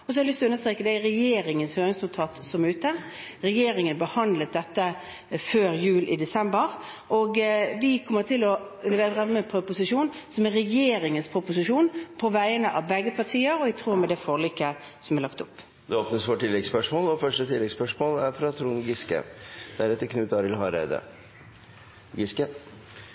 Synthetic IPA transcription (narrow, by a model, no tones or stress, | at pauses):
ɔsɔhɛɾlʏst̪ɔʉnəst̪ʁeːkəd̪ɛɪɾɛjeːɾɪŋənshøːɾɪŋsʉlt̪ʰɑːt̪sɔmʉːt̪ə | ʁɛjeːɾɪŋənbəhɑnd̪lət̪̚d̪ɛt̪ːə | føːɾjʉːlʔɪd̪ɛsɛmbəʁ | ʔɔɡʋɪkʰɔmːət̪ʰɪlɔ | lɪʋeːʁɛməpʰɾʊpʊsɪʂuːnsɔmɛʁɛjeːɾɪŋənspʰɾʊpʊsɪʂuːnpʰɔʋæɪənəʔɑʋbɛɡəpʰɑt̪ʰiːəɾɔɪt̪ʰɾuːɾmɛd̪ɛfoːlikə | sɔmæʁlɑkt̪ʊpː | d̪ɛoːpnəsʋoːʈʰɪlːɛɡspœʂmoːlɔfœʂʈət̪ʰɪlːɛɡspœʂmoːlæɾfɾɑt̪ʰɾuːnɡɪskə̰d̪̥æɾɛt̪ːəɾkʰnʉːt̪ɑɾɪlhɑɾæ̰ɪd̪ə̰ | ɡɪskə